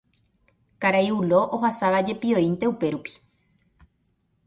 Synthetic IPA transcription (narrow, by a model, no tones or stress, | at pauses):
kaɾajulo̞ʔoɦasaʋad͡ʒe̞pio̞int̪e̞upe̞ɾupi̥